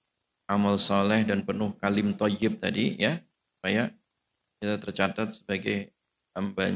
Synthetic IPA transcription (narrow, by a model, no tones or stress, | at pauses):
ʔamalsɔlɪhdanpənʊhkalɪmt̪ɔjɪp̚t̪adijassu̥paja | kit̪at̪ərt͡ʃat̪at̪̚səbaɡaj | əmbaɲ